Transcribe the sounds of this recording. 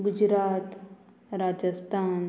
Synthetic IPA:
ɡud͡ʒɾaːt̪ | ɾaːd͡ʒəst̪ʰaːn

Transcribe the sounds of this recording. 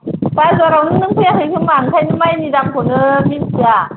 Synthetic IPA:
pajzɔɾawnɯŋnɯŋpʰɯjaɦɯkʰɯmaŋkʰajnɯmajnidamkʰonɯminsʰɯa

